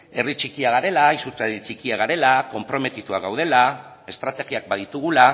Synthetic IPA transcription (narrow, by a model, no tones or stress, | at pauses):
e̞rit͡ʃikiaɣaɾe̞laisut͡saðit͡ʃikiaɣaɾe̞lako̞mpɾo̞me̞t̪it̪uaɣawð̞e̞la | e̞st̪ɾat̪e̞ɣiak̚baðit̪uɣ̞ula